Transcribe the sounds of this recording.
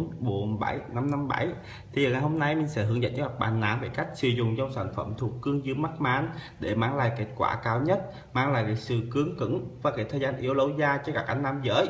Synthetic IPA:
nɓu˧˩ənɓa˧˩jna˧mna˧mɓa˧˩j | t̪ʰi˨zəː˨˩ŋa˨˩jɦo˧mna˧jmï˨˩ŋ̟sɛ̰˧˥hɨ˨˩əŋzə̰˧˨nt͡ɕɔ˧kaː˨˩t̚ɓaː˨˩nːa̰ː˧˥nve˧˨˩ka˦˥jk̟̚sɨ˨˧˦zʊ̰˨˩ŋ͡mzɔ˧ŋ͡msaː˧˩nfə˧˩mt̪ʰu˨˩kːɨ˧əŋzɨ˧əma˦˥t̚maː˨˦n | ɗe˧˩maː˧ŋla̰ː˧˨jke˦˥t̚kwa̰ː˧˩kaː˧wɲə˦˥t̚ | maː˧ŋla̰ː˧˨jkaː˨˩jsɨ˧˨˩kɨ˨˦əŋkɨ̰˧˥ŋvaː˨˩kaː˨˦˩t̪ʰəː˨˩jzaː˧nʔi˧əwlə˧wzaː˧t͡ɕɔ˧kaː˨˥k̚ʔa˧jŋ̟naː˧mzə̰ː˧˦j

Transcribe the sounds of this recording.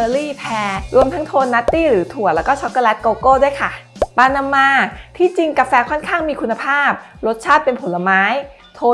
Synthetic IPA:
əː˧ɾiː˥˩pʰɛː˧ɾu˧əmt̪ʰa˦˥ŋt̪ʰoː˧nːa˦˥t̪ːiː˥˩ɾɯː˩˦t̪ʰu˨˩ət̪̚lɛː˦˥kɔː˥˩t͡ɕʰɔ˦˥kːɔː˧lɛ˦˥t̪̚koː˧koː˥˩du˥˩əjkʰa˥˩paː˧na˧mːaː˧t̪ʰiː˥˩t͡ɕi˧ŋka˧fɛː˧kʰɔ˥˩nkʰaː˥˩ŋmiː˧kʰu˧nːa˧pʰaː˥˩p̚ɾo˦˥t̪̚t͡ɕʰaː˥˩t̪̚pe˧npʰo˩˦lːa˧maː˦˥j | t̪ʰoː˧

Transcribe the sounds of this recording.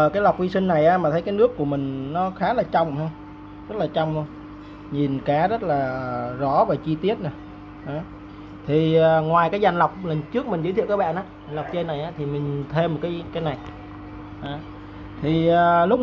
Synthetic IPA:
ʔəː˨˩kaː˨˦jla˨˩wk͡p̚vi˧sï˧ŋ̟na˨˩jʔaː˨˧˦maː˨˩ə˨˦jkaː˨˦jnɨ˦˥əkːu˧˩əmï˨˩ŋ̟nɔ˨˦xaː˨˦laː˨˩t͡ɕə˧wŋ͡mha˧ŋ͡m | zə˦˥laː˨˩t͡ɕɔ˧wŋ͡m | ɲi˨˩nkaː˨˦zə˦˥t̚laː˨˩zɔ˧˥˦vaː˨˩t͡ɕi˧t̪i˦˥ət̚na˨˩ | ʔaː˨˦ | t̪ʰi˨˩əː˨˩ŋwaː˨˩jkaː˨˦jza˨˩ŋ̟la˨˩wk͡p̚lə˨˩nt͡ɕɨ˦˥ək̚mï̟˨˩zɨ̰ː˧˦t̪i˧˨kaː˦˥ɓa̰ː˧˨nʔaː˨˧˦za˨˩ŋ̟la˨˩wk͡p̚t͡ɕe˧nːa˨˩jʔaː˨˦˥t̪ʰi˨˩mï˨˩ŋ̟t̪ʰe˧mːo˨˩t̚kaː˨˦jkaː˨˦jna˨˩j | ʔaː˨˩ | t̪ʰi˨˩ʔəː˨˩lʊ˦˥k͡p̚

